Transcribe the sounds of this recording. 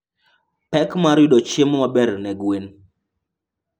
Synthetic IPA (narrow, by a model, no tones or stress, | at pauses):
pɛkmaɾidɔt͡ʃemwabɛɾnɛɡwen